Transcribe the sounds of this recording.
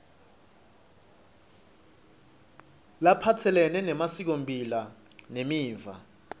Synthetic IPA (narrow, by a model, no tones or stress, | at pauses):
lapʰatʰɛlɛnɛnɛmasik̬ompʼila | nemiːɱva̰